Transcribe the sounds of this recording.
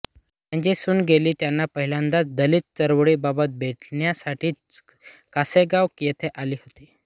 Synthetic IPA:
m̤əɳd͡zesuːnɡeliːt̪janːapəɦilãnd̪at͡sd̪əlit̪̚t͡səɾʋɽiːbabət̪̚bʱeʈɳjasaʈʰiː | kaseɡaʋkijet̪ʰeʔaliːɦot̪iː

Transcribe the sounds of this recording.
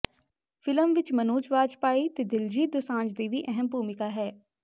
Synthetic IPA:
fʰɪləmʋɪt͡ʃmənuːt͡ʃʋaːd͡ʒpaːiːt̪eːd̪ɪld͡ʒiːd̪ʊsãːnd͡ʒd̪iːʋiːʔɛɦəmbuːmɪkaːɦɛː

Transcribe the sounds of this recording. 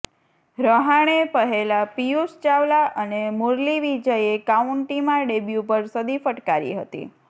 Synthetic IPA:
ɾəɦaɽ̃epəɦelapijust͡ʃaʋlaʔənemoɾliʋid͡ʒəjekauɳʈimãɖebjupəɾsəd̪ifəʈkaɾḭɦət̪ḭ

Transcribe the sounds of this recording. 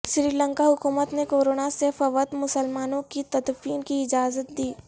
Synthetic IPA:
ʃɾiːlə̃ŋkaɦʊkuːmət̪nekoːɾoːnasefɐʋət̪mʊsəlmaːnõkit̪ɐt̪fiːnkiɪd͡ʒaːzət̪̚d̪iː

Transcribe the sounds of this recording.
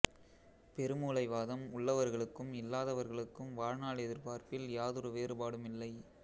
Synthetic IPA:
pɛɾɯmuːlɐɪʋaːðɐmʊɭːɐʋɐɾɣɐɭɯkːɯmɪlːaːðɐʋɐɾɣɐɭɯkːɯmʋaːɻnaːɭɛðɪɾpaːɾpɪljaːðɯɾɯʋeːrɯpaːɽɯmɪlːɐɪ

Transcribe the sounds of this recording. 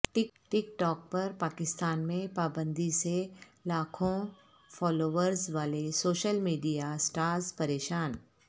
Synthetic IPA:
ʈɪkʈɪkʈɔːk̚pɐɾpaːkɪst̪aːnmẽpaːbə̃nd̪iselaːkʰõ | fɔːloːʋəɾzʋaːlesoːʃəlmiːɖijasʈaːɾzpɐɾeːʃaːn

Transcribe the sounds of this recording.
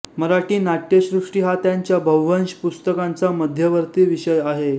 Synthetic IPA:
məɾaʈiːnaʈjeɕɾuʂʈiːɦat̪jaɲt͡ɕjabʱəʋʋənɕpust̪əkant͡saməd̪ʱjəʋəɾt̪iːʋiɕəjaɦe

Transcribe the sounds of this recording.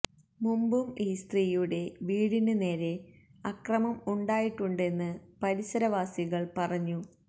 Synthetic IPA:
mumbumiːst̪riːjuɽe̞ʋiːɽinɨne̞ːɾe̞ | ɐkrɐmɐmuɳɖaːjiʈːuɳɖe̞nːɨpɐɾisɐɾɐʋaːsiɣɐɭpɐrɐɲːu

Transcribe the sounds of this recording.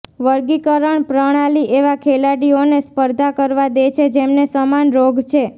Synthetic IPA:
ʋəɾɡikəɾəɳpɾəɽ̃aliʔeʋakʰelaɽionespəɾd̪ʱakəɾʋad̪et͡ʃʰed͡ʒemnesəmanɾoɡt͡ʃʰe

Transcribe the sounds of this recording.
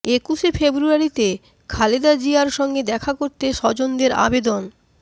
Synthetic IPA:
ekuʃefebɾuaɾit̪e | kʰaled̪ad͡ʑiaɾʃɔŋɡed̪ɛkʰakoɾt̪eʃɔd͡ʑond̪eɾa̰bed̪on

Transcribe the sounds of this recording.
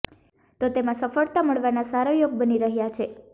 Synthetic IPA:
t̪ot̪emãsəfəɭt̪aməɭʋanasaɾojoɡ̚bəniɾəɦjat͡ʃʰe

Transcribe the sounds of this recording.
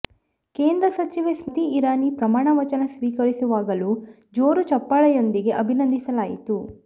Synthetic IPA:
ke̞ːnd̪ɾɐsɐt͡ʃiʋesmit̪iːɾaːnipɾɐmaːɳɐʋɐt͡ʃɐnɐsʋiːkɐɾisuʋaːɡɐlu | d͡ʒoːɾut͡ʃɐpːaːɭɐjo̞nd̪iɡe̞ʔɐbʱinɐnd̪ʱisɐlaːjḭt̪u

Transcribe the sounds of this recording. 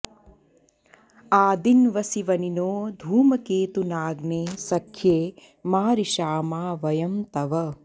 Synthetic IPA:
aːd̪inʋɐsiʋɐninoːd̪ʱuːmɐkeːt̪unaːɡneːsɐkʰːjeː | maːɾiʃaːmaːʋɐjɐmt̪ɐʋɐ

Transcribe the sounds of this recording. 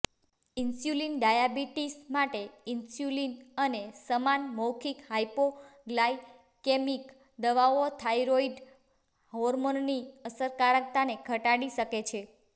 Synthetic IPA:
insjulinɖajabiʈismaʈeinsjulinənesəmanmɔwkʰikɦajpoɡlaj | kemik | d̪əʋaʋot̪ʰajɾoiɖ | ɦɔɾmonːiəsəɾkaɾək̚t̪anekʰəʈaɽiʃəket͡ʃʰe

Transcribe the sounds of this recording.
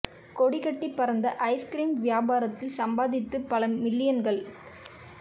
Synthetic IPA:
kɔɽɪɣɐʈːipːɐɾɐnd̪ɐʔɐɪskɾiːmʋɪjaːbaːɾɐt̪ːɪlsɐmbaːðɪt̪ːɯpːɐlɐmɪlːɪjɐnɡɐɭ

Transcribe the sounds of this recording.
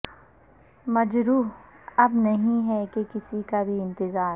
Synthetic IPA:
mɐd͡ʒɾuːɦ | ɐbnɐɦĩɦɛkekɪsikabʱiɪ̃nt̪ɪzaːɾ

